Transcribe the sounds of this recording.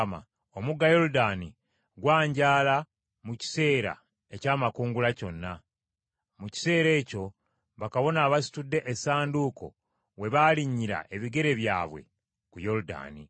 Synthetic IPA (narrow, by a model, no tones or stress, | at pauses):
ma̰ | omuɡajo̞ɾudaːni | ɡwaːɲɟaːla | muci̥se̞ːɾa̰ | e̞caːmakuːŋɡulaco̞nːa | muci̥se̞ːɾe̞ːco̞ | βakaβo̞naːβasi̥tudːe̞ʔesaːnduko̞̰ | we̞βaliɲːiɾa̰ʔe̞βiɡe̞ɾe̞βja̰ːβwe̞̰ | kujo̞ɾuda̰ːni